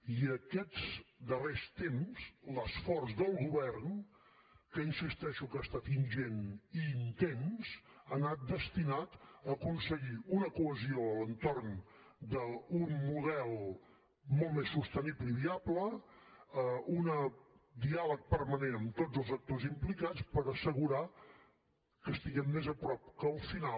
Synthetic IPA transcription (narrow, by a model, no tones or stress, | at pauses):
iəkɛzd̪ərest̪emz̥ləsfɔrzdəlˠɣuβɛrn | kəinsist̪ɛʃukast̪at̪inʒeniːnt̪enzənat̪̚d̪əst̪inat̪əːkunsəɣiunəkuəzioələnt̪orn | d̪əunmuð̞ɛlˠ | mɔlˠt̪mesːust̪ənibləiβiablə | əunəd̪ialək̚pərmənenəmt̪odd͡zzəlˠzək̚t̪ozimplikat͡spəɾəsəɣuɾa | kəst̪iɣɛmːezəpɾɔp̚kəːlˠfina